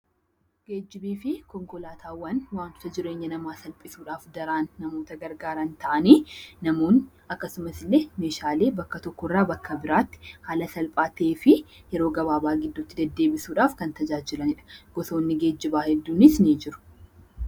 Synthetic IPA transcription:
ɡ̥e̞ːd͡ʒːɪbiːfɪkɔŋkɔlaːt̪ʰaːwɐnwaːnt͡ʃʊt̪ɐd͡ʒɪɾe̞ːɲːɐnɐmaːsɐlpʼɪsuːᶑaːfd̪ɐɾaːnːɐmo̞ːt̪ɐɡɐɾɡaːɾɐnt̪ɐʔɐniːnɐmoːn | ɐkːɐsʊmɐsɪlːeːmeːʃaːleːbɐkːɐt̪ɔkːɔɪrːaːbɐkʰːɐbɪɾaːt̪ːɪ̥haːlɐsɐlpʼaːt̪eːfɪjɛɾo̞ːɡɐβaːbaːɡɪd̪ːʊt̪ːɪd̪ɐd̪ːe̞ːbɪsuːᶑaːfkɐnt̪ɐd͡ʒaːd͡ʒɪlɐnɪᶑɐ̥ɡ̥ɔso̞ːnːɪɡe̞ːd͡ʒːɪbaːhɛd̪ːuːnɪsniːd͡ʒɪɾʊ̥

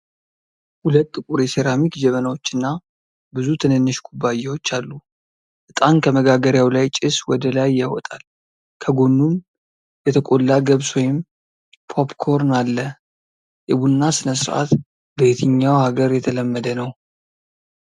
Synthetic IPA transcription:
hulət̪ʼːɨkʼuɾeseɾamikd͡ʒɛmənawot͡ʃːɨnːa | bɨzut̪ʰɨnɨnːɨʃɡʰubːajɛwot͡ʃːalːu | ʔɨt̪ʼankʰəməɡaɡəɾjawlajt͡ʃʼɪswɔd̪əlajːawɔt̪ʼal | kʰəɡo̞nːum | bɛt̪ʰəkʼolːaɡəβswɔjɪm | pʰo̞pkʰo̞ɾnalːə | ʔɨβunːasɨnəsɨɾʔa̰t̪ | bəjet̪ʰɨɲːawhaɡəɾjɛt̪ʰələmːəd̪ənəw

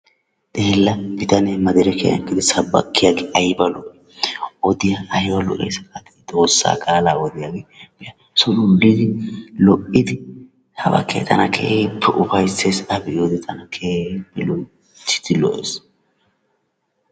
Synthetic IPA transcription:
d̪̥eːlːɐbɪt̪ɐnɛmɐd̪ɪɾɛkʰḛːjɐ̰ŋkːɪd̪ɪsɐbːɐ̰kːɪjaɡɪʔɐjbɐlʊ | ɔd̪ɪjaɐjwɐlɔ̰ʔḛjsɐkʼaːt̪ɪ̥d̪o̞ːsːa̰ːkʼalawɔd̪ɪjaːɡeb̥ɪjɐ | sɔlʊlːɪd̪ɪlɔʔɪd̪ɪ | hɐbɐ̰kʰːḛt̪ʰɐ̰nɐkʰḛːpʰːɛʔʊfɐjseːsɐbɪod̪ɪt̪ʰɐnɐkʰeːpːɛlɔ | t̪ːɪ̥t̪ɪlɔʔes

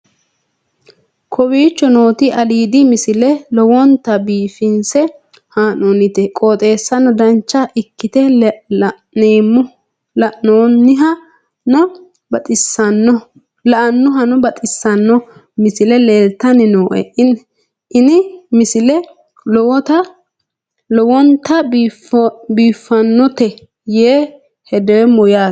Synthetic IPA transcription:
kʰɔwiːt͡ʃːɔno̞ːt̪ɪʔɐliːd̪ɪmɪsɪlɛlɔwɔnt̪ɐbiːfɪnsɛ | haːnonɪt̪ɛkʼoːt̪ʼe̞ːsːɐnːɔd̪ɐnt͡ʃːɐʔɪkːɪt̪ɛ | neːmʊ | lɐnoːnːɪɦɐ | nɔ | bɐt̪ʼɪsːɐnːɔ | lɐʔɐnːʊɦɐnɔbɐt̪ʼɪsːɐnːɔ | mɪsɪlɛle̞ːlt̪ːɐnɪnoːʔɛ̰ɪn | ɪnɪmɪsɪlɛ | lɔwɔt̪ɐ | lɔwɔnt̪ɐbfbiːfːɐnːɔt̪ɛ | jeː | hɛd̪ɛwɛmɔjaː

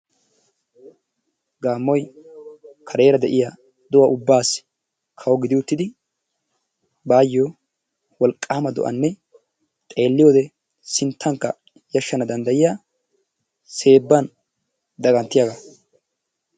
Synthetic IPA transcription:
ɡaːmːɔj | kʰɐɾe̞ːɾɐd̪ɛʔɪja | d̪ɔwɐʔʊbːaːs | kʰɐwɔɡɪd̪ɪwʊt̪ːɪd̪ɪ | baːjːoː | wɔlkʼːaːmɐd̪ɔ̰ʔɐ̰nːɛ | t̪ʼe̞ːlːɪjoːd̪ɛ | sɪnt̪ʰːɐŋkːɐ | jɐʃːɐnɐd̪ɐnd̪ɐjɪjaː | se̞ːbːɐn | d̪ɐɡɐnt̪ːɪjɐɡa

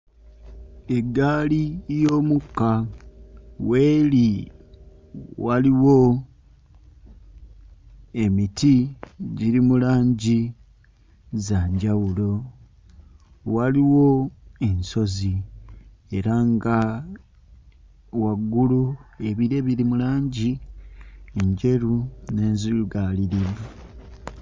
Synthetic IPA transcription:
e̞ɡːaːlijo̞ːmukːa | we̞ːli | waliwo̞ | e̞mitiɟiɾimulaːɲɟi | zaːɲɟawulo̞ | waliwo̞e̞nso̞zi | e̞ɾaŋɡa | waɡːulue̞βiɾe̞βiɾimulaːɲɟi | eɲɟe̞ɾune̞ːnziluɡaliɾiβa

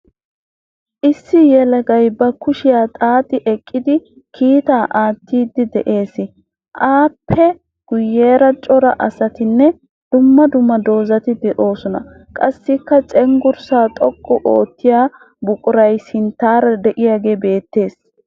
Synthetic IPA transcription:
ʔɪsːɪjɛlɐɡɐjbɐkʊʃɪjaːt̪ʼaːt̪ʼɪʔɛkʼːɪd̪ɪ | kʰiːt̪aːʔaːt̪ʰːiːd̪ɪd̪ɛʔe̞ːsɪ | ʔaːpʰːɛ | ɡ̥ʊjːeːɾɐt͡ʃʼɔɾɐʔɐsɐt̪ɪnːɛ | d̪̥ʊmːɐd̪ʊmːɐd̪o̞ːzɐt̪ɪd̪ɛʔo̞ːsɔnɐ̰ | kʼɐsːɪkːɐt͡sʼɛŋɡʊɾsaːt̪ʼɔkʼːɔʔoːt̪ːɪjaː | bʊkʼʊɾɐjsɪnt̪ːaːɾɐd̪ɛʔɪjaːɡe̞ːbe̞ːt̪ːe̞ːs

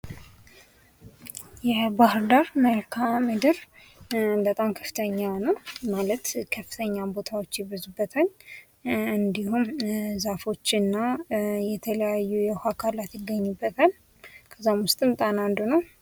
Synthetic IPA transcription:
jɛbahɨɾd̪aɾməɾkʰamɨd̪ɨɾ | bət̪ʼamkʰə̥fɨ̥t̪ʰəɲːawnəwmalət̪kʰəfːɨt̪ʰəɲːabo̞t̪ʰawot͡ʃːjɛβɨzubːət̪ʰəɲ | ɨnd̪ihumzafo̞t͡ʃːɨnːajɛt̪ʰələjajːujɛhakʰalat̪jɪɡːəɲːubːət̪ʰəl | kʰəzːamwʊst̪ʼɨnt̪ʼanand̪unəw

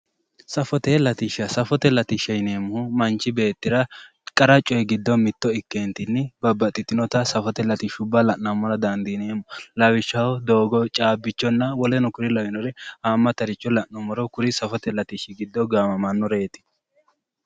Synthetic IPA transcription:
sɐfɔt̪elɐt̪iʃɐsɐfɔt̪ɛlɐt̪ɪʃɐjne̞ːmʊhʊmɐnt͡ʃːɪbe̞ːt̪ːɪɾɐ | kʼɐɾɐt͡ʃʼːɔjɛɡɪd̪ːɔmɪt̪ːɔɪkːeːnt̪ɪnːɪbɐbːɐt̪ʼːɪt̪ːɪnɔt̪ɐsɐfɔt̪ɛlɐt̪iʃʊbːɐlɐʔnɐmːɔɾɐd̪ɐnd̪ineːmʊlɐwɪʃːɐwɔd̪oːɡɔt͡ʃʼaːbːɪt͡ʃːɔnːɐwɔlɛnɔkʊɾɪlɐwɪnɔɾɛhaːmːɐt̪ɐɾɪt͡ʃːɔlɐʔnɐmɔɾɔkʊɾɪsɐfɔt̪ɛlɐt̪iʃɪɡɪd̪ːɔɡaːmɐmɐnːɔɾeːt̪ɪ̥

